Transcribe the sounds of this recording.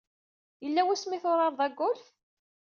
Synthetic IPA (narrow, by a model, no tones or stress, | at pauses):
jəlːæwæsmiθʊɾˤɑɾˤðˤæɡʷːʊlθ